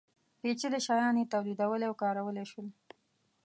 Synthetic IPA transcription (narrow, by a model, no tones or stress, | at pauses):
pet͡ʃeləʃɑjɑnjet̪awlid̪awəleawkɑɾawəleʃwəl